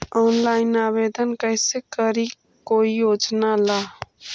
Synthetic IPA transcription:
ɔːnlaːɪnaːbeːd̪ənkəɪsekəɾi | koːijoːd͡ʒnalaː

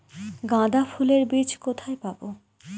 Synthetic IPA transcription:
ɡãd̪afʰuleɾbit͡ɕʰkot̪ʰajpabo

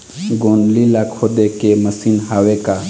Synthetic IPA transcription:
ɡoːnlilaːkʰoːd̪ekeməsiːnɦaːweka

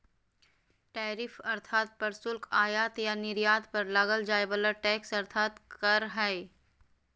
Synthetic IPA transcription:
ʈɛːɾɪfɐɾt̪ʰaːt̪̚pɐɾsʊlkʰaːjaːt̪janɪɾjaːd̪pɐɾlaːɡəld͡ʒaːebələʈɛːksɐɾt̪ʰaːt̪kɐɾɦɛ

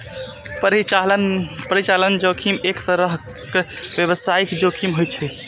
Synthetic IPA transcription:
pɾialpəɾit͡ʃalənd͡ʒokʰimekt̪əɾəɦ | kebjeβəsaikd͡ʒokʰimɦojt͡ʃʰɛ

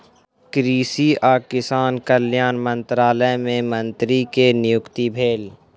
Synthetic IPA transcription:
kɾiːsiaːkɪsaːnkəlɪjaːnmə̃nt̪ɾaːləjmẽmə̃nt̪ɾikenɪjʊkt̪ibʱeːl

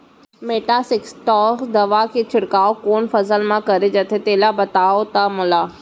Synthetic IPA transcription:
meːʈasɪksʈɔːkd̪ɐʋaket͡ʃʰɪɽkaːokoːnfɐsəlmãkɐɾed͡ʒɐt̪ʰet̪eːlabɐt̪aːot̪amʊlaː

